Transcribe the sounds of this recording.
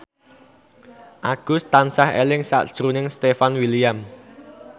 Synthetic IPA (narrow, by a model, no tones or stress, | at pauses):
ʔaɡ̥ʊst̪ansahḛlɪŋsa̰ʔd̥ʒ̥ɾunɪŋst̪efanwiliam